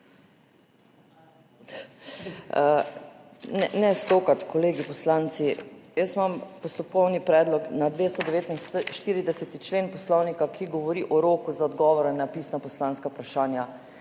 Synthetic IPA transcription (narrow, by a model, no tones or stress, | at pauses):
ə | nɛnɛst̪okat̪kʰɔleːɡipɔslant̪sijəsmampɔst̪ɔp̚kɔwnipɾɛːd̪lɔknad̪ʋest̪ɔd̪ɛʋeːt̪inʃt̪iːɾid̪ɛsɛt̪it͡ʃlenpɔslɔwnikakʰiɡɔʋɔɾiʔɔɾokuzaɔd̪ɡɔʋɔɾɛnapisnapɔslãnskaupɾaʃaːnja